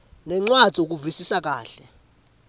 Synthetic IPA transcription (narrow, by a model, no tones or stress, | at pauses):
nɛŋ͡ǀwḁz̥ʱiuk̬uvisisak̬a̰ːɬɛ